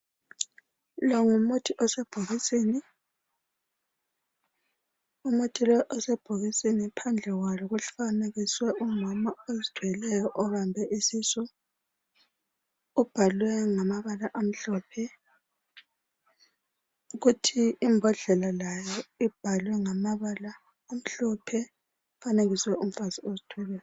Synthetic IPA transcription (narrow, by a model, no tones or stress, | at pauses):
lɔŋumutʰiʔɔsɛb̥ʱoɣiseːni | umutʰilɔʔɔsɛb̥ʱoɣisenipʰand͡ɮʱɛɣwalɔɣuɬfaneɣiswɛumamaezid̥ʱwɛlɛjɔʔɔβambʱɛʔisisɔ | ub̥ʱalwɛŋamaβalaʔam̩ɬɔpʰɛ | uɣutʰiːmbʱɔɮɛlalajɔib̥ʱalwɛŋamaβalaː | m̩ɬɔpʰɛ | faneɣiswɛum̩fasiozitʰwɛlɛjɔɔ